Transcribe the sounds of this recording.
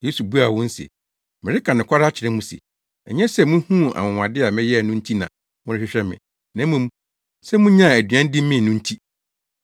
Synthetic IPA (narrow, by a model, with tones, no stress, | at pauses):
je˦su˨bu˦a˨wɔ̃˦n̩˦sɛ̰˨ | mɪ̃˨ɾɪ˦kʰã˨nɪ̃˨kʷʰa˦ɾa˦t͡ɕʰɪ˨ɾɛ˦mũ˦sɛ̰˨ | ɛ̰˨ɲɛ̃˦sɛ˦˨mũ˦hũ˦a̰˨mʊ̃˨wã˨dɪ˦a˨mɪ̃˦jɛ˦˨nʊ̃˦n̩˦tʰi˦nã̰˨ | wʊ̃˦ɪ˦ɕᶣɪ˦ɕᶣɛ˦mɪ̰̃˨ | nã˨˦mũ˦m˦ | sɛ˦mʊ̃˦ɲã˦˨æ˨dɥã˦n˦dɪ̃˦mːɪ̃˦˨nʊ̃˦n̩˦tʰi˦